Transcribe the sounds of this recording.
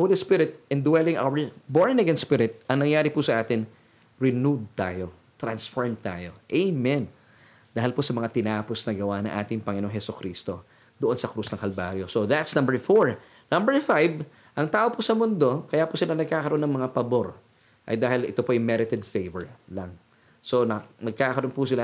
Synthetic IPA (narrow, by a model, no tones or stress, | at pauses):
holispɪɾɪt̪̚ʔɛnd̪wɛlɪŋʔa̰wɛ˞boɹnɐɡɛnspɪɾɪt̪̚ʔɐŋnɐŋjaːɾɪpusɐʔaːt̪ɪŋ | ɹɪnud̪̚t̪aːjo̞ | t̪ɾɐnsfoɹmt̪a̰ːjo̞̰ʔejmɛn | d̪aːɦhɪlposɐmɐŋat̪ɪnaːposnɐɡɐwanɐ̰ŋʔa̰ːt̪ɪŋpɐŋɪnooŋhɛsʊkɾist̪o̞ | d̪oʔonsɐkɾusnɐŋkɐlba̰ɾjo̞soðɐt̪snɐ̃mbɛɹfoɹ | nɐmbɛɹfajb | ʔɐŋt̪aːʔo̞pusɐmʊnd̪o̞kɐjapʊsɪlanɐɡ̚kaːkɐɾoʔonːɐŋmɐŋapɐbo̞ɾ | ʔɐ̰jd̪aːhɪlɪt̪opoʔɐjmɛɾɪt̪ɛd̪̚fejvɛɹlɐŋ | sonɐnɐɡ̚kaːkɐɾonpusɪla